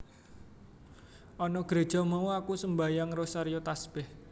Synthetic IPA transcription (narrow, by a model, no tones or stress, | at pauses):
ʔɔnɔɡ̥ɾe̤d̥ʒ̥ɔ̤mauakusəmbajaŋrosaɾijot̪asb̥ɛh